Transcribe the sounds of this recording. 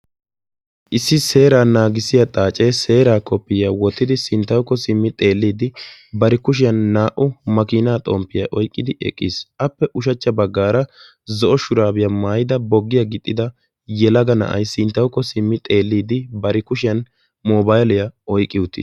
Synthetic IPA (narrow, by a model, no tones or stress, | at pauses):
ʔɪsːɪse̞ːɾaːnaːɡɪsɪjɐt̪ʼaːt͡ʃʼe̞ːse̞ːɾaːkɔpːɪjɐwɔt̪ːɪd̪ɪsɪnt̪ːɐwkːɔsɪmːɪt̪ʼe̞ːlːiːd̪ɪbɐɾɪkʊʃ̬ɪjɐnːaːʔʊmɐkiːnaːt̪ʼɔ̰mpːɪjɐʔɔjkʼːɪd̪ɪʔɛ̰kʼːḭːsʔɐpːɛʔʊʃɐt͡ʃːɐbɐɡːaːɾɐ | zɔʔɔʃʊɾaːbɪjɐmaːjɪd̪ɐbɔɡːɪjɐɡɪt̪ʼːɪd̪ɐ | jɛlɐɡɐnɐ̰ʔɐ̰jsɪnt̪ːɐwkːɔsɪmːɪt̪ʼe̞ːlːiːd̪ɪbɐɾɪkʊʃɪjɐn | moːbajlɪjɐɔjkʼːɪwʊt̪ːɪ̰